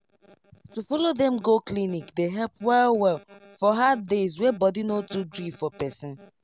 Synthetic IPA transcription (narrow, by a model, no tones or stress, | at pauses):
tufɔlodɛ̃mɡoklinikdeɦɛlpwɛlwɛlfɔɦaddezwɛbɔdinotuɡɹifɔpɛsɪ̃n